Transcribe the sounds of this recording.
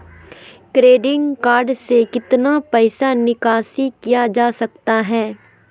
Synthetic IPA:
kɾeːɖɪ̃ŋɡkaːɾɖsekɪt̪napɛɪsanɪkaːsikijad͡ʒaːsɐkt̪aɦɛː

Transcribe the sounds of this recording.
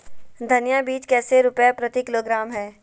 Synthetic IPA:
d̪ʱɐnjabiːt͡ʃkɛːseɾʊpjapɾɐt̪ikɪloːɡɾaːmɦɛː

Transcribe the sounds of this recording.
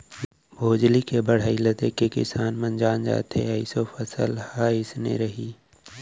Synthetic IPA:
bʱoːd͡ʒlikebɐɽ̤aːilɐt̪ekekɪ̰saːnmənd͡ʒaːnd͡ʒa̰ːt̪ḛɐisofəsəlhaːɪsnḛɾɐɦiː

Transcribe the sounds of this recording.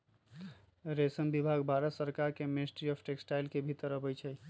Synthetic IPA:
ɾesənbibʱaɡbʱaɾəsəɾkaɾkemɪsʈɾiɔpʰʈeksʈaɪlkebʱit̪əɾːəbɛjt͡ʃʰɛ

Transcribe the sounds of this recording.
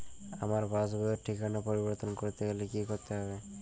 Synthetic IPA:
a̰maɾbasbooɾʈʰikanapoɾiboɾt̪onkoɾt̪ʰeɡelekikoɾt̪eɦɔbe

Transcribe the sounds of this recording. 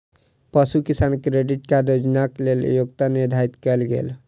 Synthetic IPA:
pəsukisankɾeɖiʈkaɾod͡ʒnakleljoɡt̪aniɾd̪ʱaɾit̪kɛlɡḛl

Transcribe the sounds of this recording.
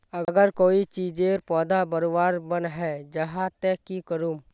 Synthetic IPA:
əɡəɾkoːit͡ʃiːd͡ʒeɾpɔːd̪abəɾoʋaːɾbənɦɛːd͡ʒɐɦat̪ɛkikəɾuːm

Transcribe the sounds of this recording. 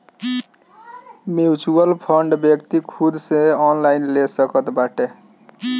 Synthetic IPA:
mjut͡ʃuəlpʰəɳɖbjəkt̪ikʰudsẽɔnlainlesəkət̪baʈe

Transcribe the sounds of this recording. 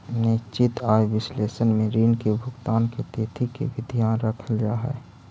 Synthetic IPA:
nɪt͡ʃɪt̪aːjʋɪsleːsənmẽɾiːnkebʱʊɡt̪aːnket̪eːt̪ʰikḛʋɪd̪ʱjanɾəkʰəld͡ʒaːɦɛ̰ː

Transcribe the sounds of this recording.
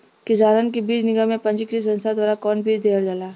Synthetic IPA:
kɪd͡ʒaːɾənkibiːd͡ʒnɪɡamẽpɐ̃nd͡ʒikɾis̬ɐ̃nst̪ʰad̪waːɾakɔːnbʱiːd͡ʒd̪eːəld͡ʒalaː

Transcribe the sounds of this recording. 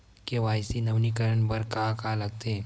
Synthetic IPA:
keʋaːjsinɐʋnikəɾəɳbəɾkakalɐɡ̚t̪ʰeː

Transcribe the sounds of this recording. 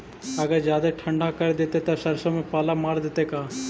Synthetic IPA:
ɐɡəɾd͡ʒjaːd̪eʈʰɐɳɖʱakɐɾed̪et̪et̪ɐsɐɾsomẽpaːlamaːɾd̪eːt̪ekaː

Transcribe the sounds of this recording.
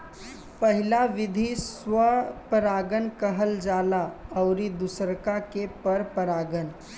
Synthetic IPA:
pəɦɪlaʋɪd̪ʱiswəpəɾaːɡənkəɦəld͡ʒaːlaəʊɾid̪ʊsəɾkakepəɾpəɾaːɡən

